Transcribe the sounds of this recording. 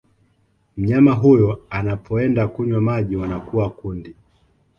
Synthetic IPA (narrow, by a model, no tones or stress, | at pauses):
m̩ɲamaɦujɔanapʰɔɛndakuɲwamaʄiwanakuwakundi